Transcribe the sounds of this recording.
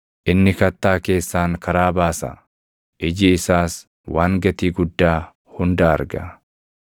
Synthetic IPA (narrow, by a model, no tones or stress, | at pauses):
ʔɪnːɪkɐt̪ːaːke̞ːsːaːŋkɐɾaːbaːsɐ̰ | ʔɪd͡ʒɪːsaːs | waːŋɡɐt̪iːɡʊd̪ːaː | hʊnd̪aːɐ̰ɾɡɐ̰